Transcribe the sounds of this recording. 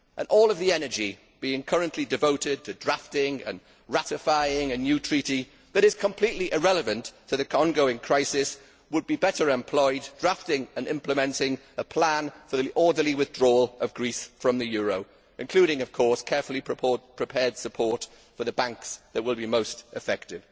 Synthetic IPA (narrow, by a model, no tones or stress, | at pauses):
ʔə̰̃nʔɔːlˠəvðiɛnə˞d͡ʒi | b̥iɪ̃ŋkʰʌɹə̃nʔlidɨvoʊtɪd̚tʰɨdɹaftɪ̃ŋə̰̃n | ɹatɪfaɪɪ̃ŋɨnjʉtʰɹ̥iti | ðəɾɨz̥kʰə̃mpʰl̥iʔliʔɪɹɛləvə̃ntʰəðɨkʰɒ̃nɡoʊɪ̃ŋkʰɹ̥aɪsɪs | wəd̚bibɛɾə˞ɛ̃mpʰl̥ɔɪddɹaftɪ̃ŋə̃nɪ̃mpləmɛ̃ntɪ̃ŋ | əpʰl̥ãnfəðiʔɔːdəliwɪðdɹɔːləvɡɹisfɹə̃mðɨjɔːɹoʊ | ʔɪ̃nkʰl̥ʉːɾɪ̃ŋʌv̥kʰɔɹskʰɛɹfəlˠipʰɹ̥ɪpʰɛːd̥səpʰɔɹt | fə˞ðəbãŋksðəʔ̚wɪlˠbimoʊstʔɪfɛk̚tɪv̥